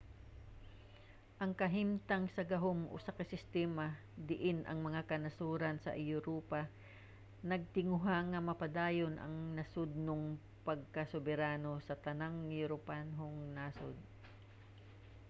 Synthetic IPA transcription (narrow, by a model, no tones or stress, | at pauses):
ʔɐŋkɐɦimt̪aŋsɐɡɐɦomʔo̰sɐkɐsɪst̪ɛːma | d̪ɪʔɪnʔɐ̰ŋmɐŋakɐnɐsuːɾɐnsɐ̰ʔɪjʊɾuːpa | nɐɡ̚t̪ɪŋʊɦaŋɐmɐpɐd̪aːjonʔɐ̰ŋnɐsod̪̚noŋ | pɐɡ̚kɐsobɛɾaːnosɐt̪ɐnaŋjʊɾopanɦoŋnaso̰d̪̚